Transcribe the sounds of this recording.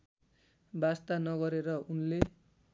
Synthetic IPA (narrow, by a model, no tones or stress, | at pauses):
bast̪anʌɣʌɾeɾʌunle